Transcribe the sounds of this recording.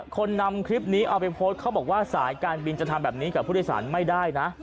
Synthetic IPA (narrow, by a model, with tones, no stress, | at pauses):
kʰo˧nːa˧mkʰɾi˦˥p̚niː˦˥ʔa˧pa˧jpʰoː˦˥t̪̚kʰa˦˥wbɔː˨˩k̚waː˥˩saː˩˦nkaː˧nbi˧nt͡ɕa˨˩t̪ʰa˧mbɛː˨˩p̚niː˦˥kaː˨˩pʰuː˥˩˥saː˩˦nma˥˩jdaː˥˩jna˦˥ʔ